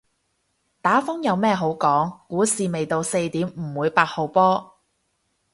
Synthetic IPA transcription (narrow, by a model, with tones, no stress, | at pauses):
t̪aː˨˥fʊ˥ŋjɐ˨˧wmɛː˥ɦo˨˥wkɔː˨˥ŋkuː˨˥siː˨me˨jt̪o˨˧wse˧jt̪iː˨˥mm̩˨˩wuː˨˧jpaː˧t̚ho˨wpɔː˥